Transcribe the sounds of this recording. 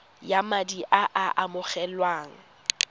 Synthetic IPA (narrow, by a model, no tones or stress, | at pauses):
jamadiʔaʔaʔamʊχɛlwaːŋ̩